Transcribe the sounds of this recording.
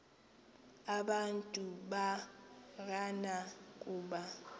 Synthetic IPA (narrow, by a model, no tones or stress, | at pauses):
aɓantʼuɓa | ɣ̬ʼanakʼuːɓa